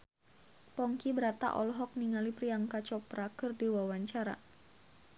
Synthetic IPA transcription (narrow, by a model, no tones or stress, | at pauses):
pɔŋkibəɾat̪a̰ʔɔ̰lɦɔk̚niŋalipɾiaŋkat͡ʃɔpɾakɨrdiwawaɲt͡ʃaɾa̰